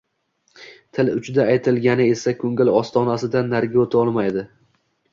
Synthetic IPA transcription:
t̪ʰɪlʊt͡ʃʰd̪aːjt̪ʰɪlɡʲanɪe̞sakʲʰɵŋɪlɒst̪ʰɒnasɪd̪anːaɾɡʲɪot̪ʰɒlˠmajd̪ɪ

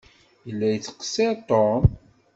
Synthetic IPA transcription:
jəlːæjət͡sːə̥qə̥set̪ˤːon

